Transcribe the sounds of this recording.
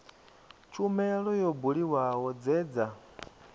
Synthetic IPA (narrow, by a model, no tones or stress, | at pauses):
t͡ʃʰumɛɺɔjɔbuɺiwawɔd͡zɛːd͡za